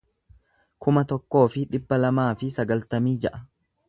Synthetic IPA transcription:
kʊmɐt̪ɔkːo̞ːfɪᶑɪbːɐlɐmaːfɪsɐɡɐlt̪ɐmiːd͡ʒɛʔɐ

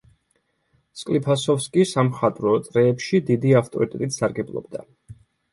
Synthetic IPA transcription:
skʼlipʰasɔfskʼisamχat̪ʼɾɔt̪ʼɾɛːpʃid̪id̪iaft̪ʼɔ̰ɾit̪ʼɛt̪ʼit̪ʰsaɾɡɛblˠɔ̰bd̪a̰

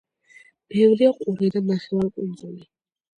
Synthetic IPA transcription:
b̥ɛvɾiaqʼuɾid̪anaχɛvalkʼund̪zuli

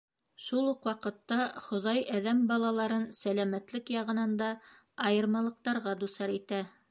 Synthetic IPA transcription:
ʃulˠuqwɑqɤ̆t̪ːɑχŏðɑjæðæmbɑlˠɑlˠɑɾɤnsælæmæt̪lɘkjɑʁɤ̆nɑnd̪ɑː | jɤ̆ɾmɑlˠɤ̆q̚t̪ɑɾʁɑd̪usɑɾit̪æ

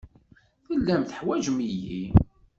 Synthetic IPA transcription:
θəlːæmθə̥ħwæd͡ʒmiji

